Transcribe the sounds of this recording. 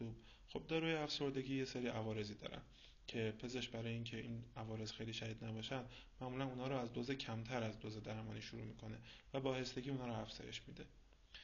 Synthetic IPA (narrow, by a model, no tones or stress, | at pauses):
ub | xo̞b̚d̪ɒːɾuːjeæfso̞ɾd̪e̞ɟʲiːje̞seɾiːʔævɒːɾe̞ziːd̪ɒ̰ːɾæ̰n | cʰe̞pʰe̞zeʃbæɾɒːjeiːncʰe̞iːnævɒːɾe̞zxejliːʃæhiːd̪næbɒːʃænd̪mæʔmulænunhɒːɾoæzd̪ozecʰæmt̪ʰæɾæzd̪oze̞d̪æɾmɒːniːʃuɾṵːmiːkʰo̞ne̞væbɒːhe̞st̪e̞ɟʲiːunhɒːɾoæfz̥ɒ̰ːje̞̰ʃmid̪e̞